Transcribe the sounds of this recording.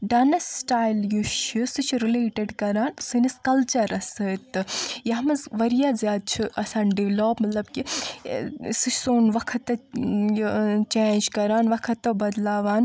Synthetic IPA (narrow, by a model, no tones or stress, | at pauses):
ɖaːnɐsʈaːjljuʃɨsɨt͡ʃʰɾileːʈeɖkɐɾaːnsɨnɐskɐlt͡ʃɐɾɐsɨt̪ɨjɐɦmɐzʋɐɾijaːzjaːd̪̚t͡ʃʰiʔɐsaːnɖiʋloːpmɐt̪lɐbki | sɨt͡ʃʰsoːnʋɐkʰɐt̪ːɐ | t͡ʃeːnd͡ʒkɐɾaːnʋɐkʰɐt̪ːɐbɐd̪laːʋaːn